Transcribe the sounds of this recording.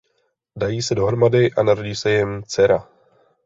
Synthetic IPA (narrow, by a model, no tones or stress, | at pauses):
dajiːsɛdo̞ɦɾomadɪʔanaɾoɟiːsɛjɪmt͡sɛɾa